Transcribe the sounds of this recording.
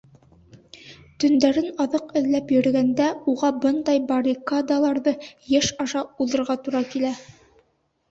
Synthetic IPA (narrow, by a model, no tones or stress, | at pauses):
t̪ɵ̆nd̪æɾɘnɑðɤqɘ̆ðlæpjɵ̆ɾɡænd̪æuʁɑbɤnd̪ɑjbɐɾʲikad̪alˠɑɾðɤjæʃɑʃɑulðˠɤ̆ɾʁɑt̪uɾɑkilæ